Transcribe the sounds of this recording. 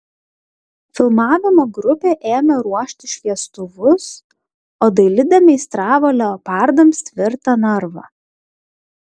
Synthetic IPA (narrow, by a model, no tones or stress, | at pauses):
fʲɪlˠmɑːʋʲɪmoːɡɾʊpʲeːʔeːmʲɛɾuɔʃʲt̪ʲɪʃʲʋʲiɛst̪ʊʋʊs | oːd̪ɐɪlʲɪd̪ʲɛmʲɛɪst̪ɾɑːʋolʲopɑˑɾd̪ɐmʲst̪ʲʋʲɪɾt̪ɐnɐɾʋɐ̰